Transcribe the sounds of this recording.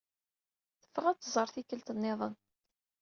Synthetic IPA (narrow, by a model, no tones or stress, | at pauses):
θə̥fːəʁæt͡sːəzˤəɾˤθikːəlt̪ənːeðˤən